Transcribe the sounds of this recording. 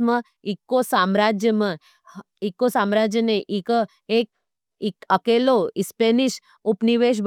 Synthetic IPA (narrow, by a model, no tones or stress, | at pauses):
mə̃ | ikːosamɾad͡ʒjəmə̃ | ikːosamɾad͡ʒjəneʔikə | ek̚ | ikəkeːloispeniʃ | upniʋeʃ̬b